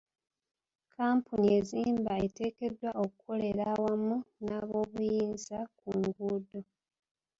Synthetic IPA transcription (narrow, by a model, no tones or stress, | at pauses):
kʰaːmpunie̞ziːmbae̞te̞ːke̞dːwaʔo̞kukʰo̞le̞ɾawamunaːβo̞ːβujiːnzakuːŋɡuːdo̞